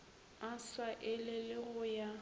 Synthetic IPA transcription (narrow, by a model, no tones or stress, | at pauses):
aswaʔɪlɪlɪɣʊja